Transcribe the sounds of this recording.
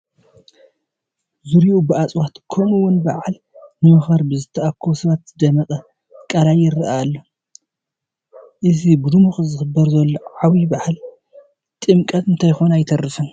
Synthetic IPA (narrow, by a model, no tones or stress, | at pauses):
zuɾiubɨat͡sʼwat̪kʰonuwʊnbaʕal | nɨmɨxɐɾbɨzɨt̪ʰɐʔakʰːosɨβɐt̪zd̪ɐmɐkʼɐ | kʼɐɾajɪɾːɐʔaːlːo | ʔɨzibɨd̪umuxzɨxɨbːɐɾzɐlːoʕawibaħl | t̪ʼɨmkʼɐt̪ɨnt̪ʰajxonajt̪ʰɐrːɨfɨn